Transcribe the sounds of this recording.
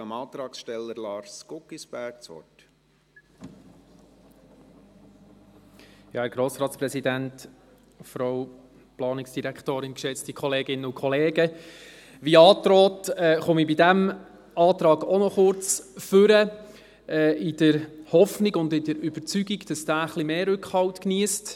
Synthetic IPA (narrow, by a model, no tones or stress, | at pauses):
ɑmɑːt̪ɾɑːksʃtɛlːəɾlɑːɾskʊkisb̥æɾk̚t͡sɔ̰t | jɑːhæːɾɡ̥ɾoːsɾɑːt̪spɾɛsidænt | fɾaw | plɑːnɪksd̥iɾækʰtoːɾɪnkʃɛt͡stikʰɔleːɡɪnːəʊkʰɔleːɡə | ʋiɑːt̪ɾɔːtɛːχʊmibidæm | ɑːt̪ɾɑːɡɔnɔχʊɾt͡sfʏɾə | ɛːɪd̥əɾhɔfniɡʊndɪdəɾyb̥əɾt͡syɡiɡd̥ɑsd̥æːəχlimeːɾʏkχhɑwtkniːəst